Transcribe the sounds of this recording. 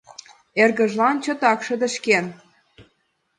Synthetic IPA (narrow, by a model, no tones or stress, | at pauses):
erɣə̆ʒlɑnt͡ɕɤ̆t̪ɑkʃɤ̆d̪ə̆ʃken